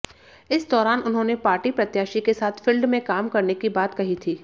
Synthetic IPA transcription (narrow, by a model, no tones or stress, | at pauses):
ɪsd̪ɔːɾaːnʊnɦõːnepaːɾʈipɾɐt̪jaːʃikesaːt̪ʰfɪlɖmẽkaːmkɐɾnekibaːt̪kɐɦit̪ʰiː